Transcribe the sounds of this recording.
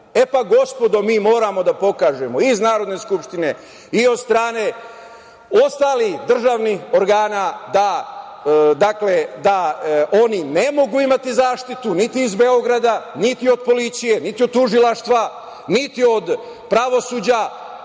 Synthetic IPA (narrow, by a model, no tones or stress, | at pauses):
e̞paɡo̞spo̞d̪o̞miːmo̞ːɾamo̞d̪apo̞kaːʒe̞mo̞iznaːɾo̞d̪ne̞skupʃt̪ine̞ | io̞d̪st̪ɾaːne̞ | o̞st̪aːlihd̪r̩ʒaːʋniho̞ɾɡaːnad̪a | d̪akle̞d̪ao̞nine̞mo̞ɡuimat̪izaːʃt̪it̪unit̪iːzbe̞o̞ɡɾad̪anit̪io̞d̪̚po̞lit̪sije̞nit̪iod̪̚t̪ːuʒilˠaʃt̪ʋa | nit̪io̞d̪ | pɾaʋo̞suːd͡ʑa